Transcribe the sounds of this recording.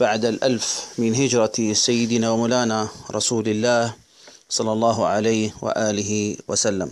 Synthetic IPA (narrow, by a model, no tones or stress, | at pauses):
b̥aʕd̪alʔalfmɪnɦɪd͡ʒɾˤɑsajːɪd̪ɪnawamʊːlaːnaɾˤɑsuːlɪlːaːh | sˤɑlːɑlˤːɑːɦʕalaːhwa̰ʔaːlɪɦɪwasalːa̰m